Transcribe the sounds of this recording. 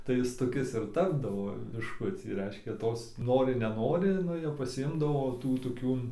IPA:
tɐɪ ˈɪs toːˈkʲɪs ɪr ˈtɑːbdɐʋoː bʲɪʃˈkʊt͡sʲiː ˈrʲɛɪʃʲkʲɛ ˈtoːs ˈnoːrʲɪ nʲɛˈnoːrʲɪ ˈnʊ jɛʊ pɐsʲɪˈɪmdɐʋoː ˈtuː toːˈkʲuː

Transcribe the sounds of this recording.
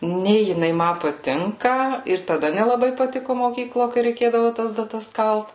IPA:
ˈnʲeː jɪˈnɐɪ ˈmɐ pɐˈtʲɪŋkɐ ɪr tɐˈdɐ nʲɛlˠɐˈbɐɪ pɐˈtʲɪkʊ moːˈkʲiːklˠoː kɐɪ rʲɛɪˈkʲeːdɐʋʊ tɐs dɐˈtɐs ˈkɐlˠt

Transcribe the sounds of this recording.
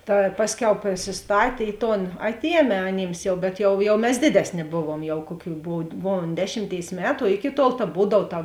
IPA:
tɐ ˈpɑːsʲˌkʲɛʊ pʲrʲɪsʲɪsˈtɑːtʲeː ˈɪ ˌtoːn ˈɑːtʲˌiɛmʲeː ɐˈnʲiːms jɛʊ bʲɛt jɛʊ jɛʊ mʲɛs ˈdʲeːdʲɛsʲˌnʲeː ˈboːʋuɔm jɛʊ ˈkuɔˌkʲuː ˈboːw ˈboːʋuɔm ˈdʲæːʃʲɪmʲˌtʲeːɪs ˈmʲæːtʊ oː ˈɪkʲɪ tuɔlˠ tɐ ˈbuːdɐw tɐ

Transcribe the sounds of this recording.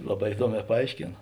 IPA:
ˈlˠɑːˌbɑː ɪˈduɔˌmʲɛː pɐˈɐɪʃʲkʲeːn

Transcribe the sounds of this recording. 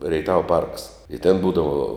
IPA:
rʲɛɪˈtɑːʋɐ pɐrks ɪ tʲɛn ˈbuːdɐʋoː

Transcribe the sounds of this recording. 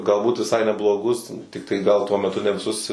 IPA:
ɡɐlˠˈbuːt ʋʲɪˈsɐɪ nʲɛblˠoːˈɡʊs ˈtʲɪktɐɪ ˈɡɐlˠ tuɔ mʲɛˈtʊ nʲɛ ʋʲɪˈsʊs

